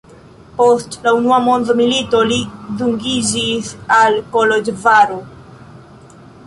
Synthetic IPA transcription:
post̪launuamond̪omilit̪oliðuŋɡizisalkolod͡ʒvaɾo

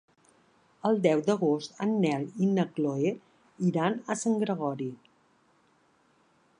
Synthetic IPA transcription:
əlˠd̪ɛwd̪əɣ̞ost̪ənːɛlinəkloe | iɾanəsəŋɡɾəɣɔɾi

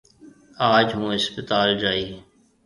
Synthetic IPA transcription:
aːd͡ʒɦũːɦɪspət̪aːld͡ʒaːiː

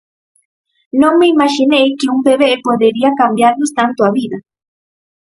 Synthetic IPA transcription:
nomeimaʃinejkiumbeβeʔepoðeɾiakambjaɾnust̪ant̪oaβiða

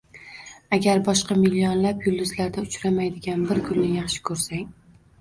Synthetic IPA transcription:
aɡʲaɾbɒʃqɑmilːiɒnlapjʊlˠd̪ʊzlaɾd̪aʊt͡ʃɾamajd̪ɪɡʲanbɪɾkʰʊnːɪjɑχʃɪ̥kʰɵɾsaŋ

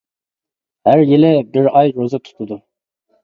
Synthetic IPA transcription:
hæɾjilɪbɪɾɑjɾozɨt̪ʰu̥t̪ʰʊd̪u

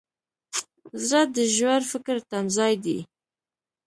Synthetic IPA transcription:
zɾad̪əʒwaɾfəkəɾt̪amzɑjd̪ḭ

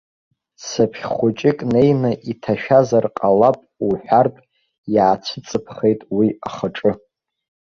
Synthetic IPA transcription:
sapʰχʲχʷʊt͡ʃʼɪkʼne̞jnɨʔitʰaʃᶣazarqʼalapʼuħʷᶣartʼ | jaːt͡sʷʰɨt͡sʼɨpʰχejtʼwiaχaʈ͡ʂʼɨ

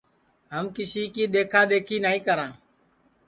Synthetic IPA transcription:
ɦəmkɪsiːkiːd̪eːkʰaːd̪eːkʰiːnaːĩːkəɾãː

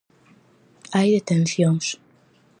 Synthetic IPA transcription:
ajðet̪ẽnθjons

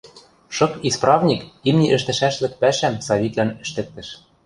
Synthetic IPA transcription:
ʃɤ̆kisprɑvnʲikimnʲiʔɘ̆ʃt̪ɘ̆ʃæʃlɘ̆k̚pæʃæmsɑβʲit̪lænɘ̆ʃt̪ɘ̆k̚t̪ɘ̆ʃ

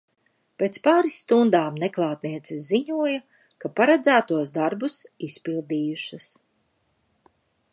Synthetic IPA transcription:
pʲeːt̪spaːɾisːt̪und̪aːmneklˠaːt̪niɛt̪sɛziɲuɔja | kapaɾad̪zæːt̪uɔsd̪aɾbusispilˠd̪iːjuʃas

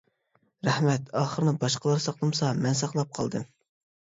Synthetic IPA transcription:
ɾæhmɛt̪ɑːχəɾɨnɨbɑʃqəlˠɑɾsɑqlˠɨmsɑmɛnsɑqlˠɑp̚qʰɑ̰lˠd̪ɨm

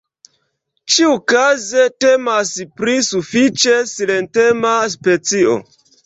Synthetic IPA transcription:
t͡ʃiukazetemaspɾisufit͡ʃe̞silentemas̬pe̞t͡sio̰

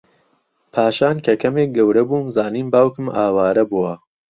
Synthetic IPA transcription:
pʰaːʃaːnkʰɐkʰɐmeːk̚ɡɐwɾɐbuːmzaːniːnbaːwkɨmaːwaːɾɐbuwɐ

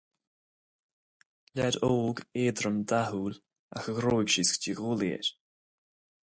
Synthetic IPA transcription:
lɛɾoːɡeːd̪ɾəmd̪ahuːl | a̰xəɣɾoːjɡ̥ʃiskdiɣuːliə̰ɾ

